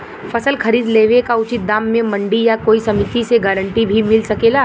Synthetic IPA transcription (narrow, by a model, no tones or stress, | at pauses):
fɐsəlxʰɐɾiːd̪leːʋekaʊt͡ʃɪt̪̚d̪aːmːẽmɐ̃ɳɖijakoːisɐmɪt̪iseɡəɾə̃ɳʈibʱimɪlsɐkeːlaː